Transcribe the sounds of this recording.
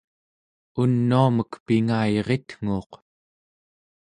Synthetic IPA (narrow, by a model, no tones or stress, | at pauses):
unːuaməkpiŋaiʁe̞t̪ŋ̥uːq